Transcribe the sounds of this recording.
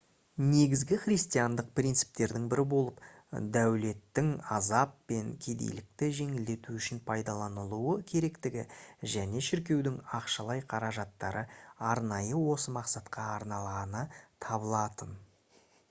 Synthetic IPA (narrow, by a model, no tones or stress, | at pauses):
ne̞ɡʲɪzɡʲɪχɾijst̪ijɑnd̪əq̚prʲint̪si̥p̚t̪e̞ɾd̪ɪŋbɪɾɪbo̞lˠəp | d̪æwle̞t̪ːɪŋɑzɑpːe̞ŋkʲʰe̞d̪ḛjlɪk̚t̪ɪʒe̞ŋɪld̪e̞t̪uʏʃɪnpʰɑjd̪ɑlˠɑnəlˠuwəkʲʰe̞ɾe̞kt̪ɪɡʲɪʒæne̞ʃɪɾk̬ʲe̞wd̪ɪŋɑqʃɑlˠɑjqʰɑɾɑʒɑt̪ːɑɾəɑɾnɑjəwo̞səmɑqsɑt̪qʰɑːɾnɑlˠʁɑnət̪ʰɑbəlˠɑt̪ən